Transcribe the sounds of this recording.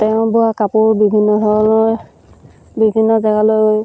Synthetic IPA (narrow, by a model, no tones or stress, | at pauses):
tɛʊ̃bʊakapʊɹbibʱinːɔdʱɔɹɔloj | bibʱinːɔzaɡaloj